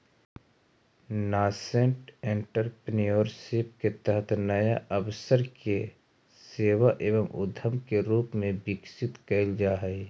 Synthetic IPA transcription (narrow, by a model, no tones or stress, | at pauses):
naːsẽɳʈẽɳʈəɾpnijoːɾsɪpket̪əɦət̪ʰnɐjaʔəʋsəɾke | seːʋaʔeːʋəmʊ̰d̪ʱəmkeɾuːpmẽbɪksɪt̪kɐɪld͡ʒaːɦɛi